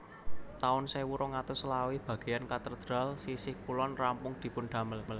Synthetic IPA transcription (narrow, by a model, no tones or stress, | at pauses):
t̪aʊnsajwuɾɔŋat̪ʊslawib̥ä̤ɡ̥e̤jankat̪ərd̪̥ɾa̤lsisɪhkulɔnrampʊŋd̪̥i̤pʊnɖ̪̥a̤mələl